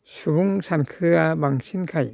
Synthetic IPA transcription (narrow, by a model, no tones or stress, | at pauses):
sʰubuŋsʰankʰɯɡamaŋɕʰinkʰaḭn